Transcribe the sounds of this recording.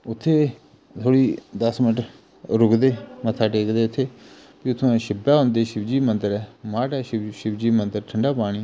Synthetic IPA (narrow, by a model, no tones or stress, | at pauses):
ʊt̪ʰːeː | t̪ʰoːɽiːd̪əsmɪnʈ | ɾʊɡd̪eːmət̪ʰːaːʈeːkd̪eːʊt̪ʰːeː | pit̪ʰːõãːʃɪbaːɦʊ̃nd̪eːʃɪbd͡ʒiːmənd̪əɾɛːmaːʈɛːʃʃɪbd͡ʒiːmənd̪əɾʈʰəɳɖaːpaːɽ̃iː